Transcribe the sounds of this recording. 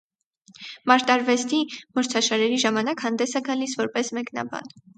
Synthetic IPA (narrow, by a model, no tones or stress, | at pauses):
mɑɾt̪ɑɾvɛst̪imɔɾt͡sʰɑʃɑɾɛɾiʒɑmɑnɑkhɑnd̪ɛsɛɡɑlisvɔɾpɛsmɛknɑ̰bɑ̰n